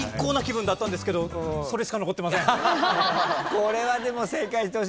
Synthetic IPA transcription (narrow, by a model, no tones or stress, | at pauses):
ikːoːnakʲibɯ̃nd̪at̪ːãnd̪eske̞d̪o̞so̞ɾesɨ̥kano̞ko̞t̪ːemas̬ẽ | koɾe̞βad̪e̞mo̞se̞ːkaiɕt̪eoɕ